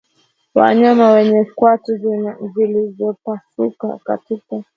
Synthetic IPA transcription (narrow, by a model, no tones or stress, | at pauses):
wa̰ɲamawɛɲɛkwatuzilizɔpasuka̰ka̰tika